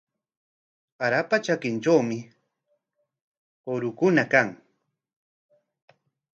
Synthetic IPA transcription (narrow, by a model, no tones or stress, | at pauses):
aɾapat͡ʃakɪnt͡ʃawmɪ | oɾʊkʊnakaŋ